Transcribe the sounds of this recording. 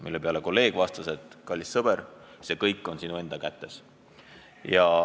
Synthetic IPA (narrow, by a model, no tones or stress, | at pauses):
milːe̞pe̞ɑle̞ko̞lːe̞ːɡ̥vɑst̪ɑse̞t̪kɑlʲːisːɤb̥eɾ | se̞ːkɤjkːˑo̞nsinue̞nd̪̥ɑkæt̪ːe̞s | jɑ